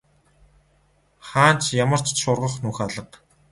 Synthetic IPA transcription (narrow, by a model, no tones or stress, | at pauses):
χaːnt͡ɕjamə̆r̥t͡ɕʃʊrʁə̆χnuːxaɮə̆q